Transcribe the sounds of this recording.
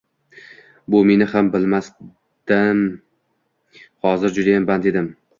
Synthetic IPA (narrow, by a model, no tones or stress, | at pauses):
bʊme̞nɪhambɪlmas | d̪ɪm | hɒzɪɾd͡ʒʊd̪ajamband̪ed̪ɪm